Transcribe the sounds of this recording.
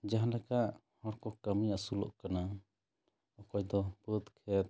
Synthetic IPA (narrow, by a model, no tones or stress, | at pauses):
d͡ʒaɦãlɛkaʔ | hɔɾkɔkamiasulɔ̰ʔkana | ɔkɔjd̪ɔpəd̪kʰɛt̪̚